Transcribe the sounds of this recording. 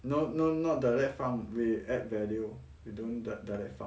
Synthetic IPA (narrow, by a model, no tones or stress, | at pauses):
nononɔt̚dalɛkt̚fãnwiɛt̚vɛlio | widõndadalɛ̰k̚fã